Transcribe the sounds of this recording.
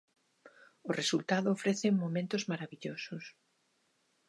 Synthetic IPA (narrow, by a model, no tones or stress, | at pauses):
ʊresult̪aðʊːfɾeθeŋmomẽnt̪ʊzmaɾaβiʎosʊs